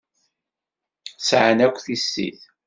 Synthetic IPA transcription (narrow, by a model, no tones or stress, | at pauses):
sʕənækʷːθisːḭθ